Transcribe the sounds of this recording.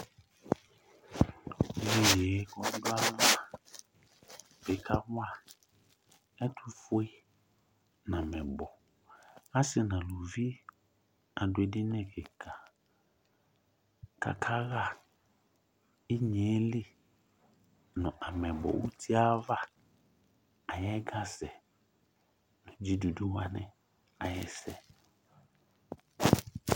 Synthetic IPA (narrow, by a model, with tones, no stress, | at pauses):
le˨je˨˦kɔ˦n˦dʊ˦a˦va˦ | be˨˦ka˦wa˦ | ɛ˦tʰu˦fo˦e˦ | n˨ã˨mɛ˨bɔ˨ | a˦sɪ˦nã˨lo˨vi˦ | a˨dʊ˨e˨dɪ˦nɛ˨ke˨kʰa˨ | ka̰˦kʰa˦ɣa˦˨ | i˦ɲe˨˦li˦ | nʊ̃˨ʔa˨mɛ˨bɔ̰˨ʔu˦tʰi˦a˦va˦ | a˨jɛ˦ɡa˦sɛ˨ | nʊ˨d͡ʒi˦du˨du˦wa˦nɛ˦ | a˨jɛ̰˦sɛ˨